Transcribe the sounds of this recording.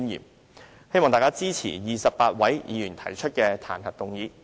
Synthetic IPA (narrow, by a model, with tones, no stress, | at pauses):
njḭː˨˩m̚ | he˥jmɔː˨ŋt̪aː˨˩kaː˥t͡siː˥t͡sʰḭː˨˩jiː˨˩sɐ˨p̚pːaː˧t̚wɐ˨˥jjḭː˨˧jyː˨˩nt̪ʰɐ˨˩jt͡ʃʰɵ˥t̚kɛː˧t̪ʰa̰ː˨˩nhɐ˨t̚t̪ʊ˨ŋjiː˨˧